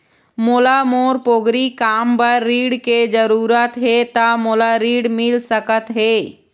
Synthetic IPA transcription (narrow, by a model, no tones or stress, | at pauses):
moːlamoːɾpoːɡɾikaːmpəɾːiːɽked͡ʒəɾuːɾət̪ɦet̪amoːlaɾiːɽmɪlsəkət̪ɦeː